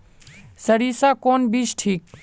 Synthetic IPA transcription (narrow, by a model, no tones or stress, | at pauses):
səɾiːsakoːnbiːsʈʰiːk̚